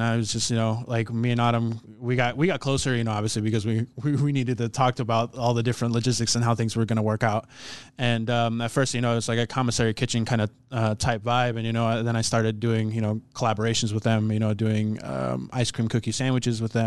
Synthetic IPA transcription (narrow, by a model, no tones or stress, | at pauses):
naɪwʌzd͡ʒʌst̚jɨnoʊlaɪkmiɨ̃nɑɾə̃m | wiɡɑt̚wiɡɑt̚kʰl̥oʊsə˞jɨñoʊɑbviɨslibɨkʌzwiwiwiniɾɨd̚tɨtʰɔk̚tʰɨbaʊɾɔlˠðɨdɪfɹɨ̃ntˡlɨd͡ʒɪstɨksɨ̃nɦaʊθɪ̃ŋzwə˞ɡʌñəwɜ˞kaʊt̚ɨ̃nʌ̃mɨtfɜ˞stjɨñoʊɪtwʌz̥laɪkɨkʰɑmɨsɛɹikʰɪt͡ʃɪ̃ŋkʰãɪ̃ndɨ | ʌtʰaɪpvaɪbɨ̃njɨnoʊaðɨ̃ɾ̃aɪstɑɹɾɨd̚ʉɪ̃ŋjɨñoʊkʰəlæbə˞eɪʃn̩zwəðɨ̃mjɨñoʊdʉɪ̃ŋʌ̰maɪskʰɹ̥ĩmkʰʊkjisæ̃ndwɨt͡ʃɨzwəðɨ̃m